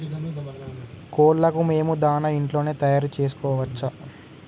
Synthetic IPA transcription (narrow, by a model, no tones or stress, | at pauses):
koːɭlɐkume̞ːmud̪aːnɐiɳʈlo̞ːne̞ːt̪ɐjaːɾut͡ʃe̞ːsu̥kɔːʋɐt͡ʃːɐ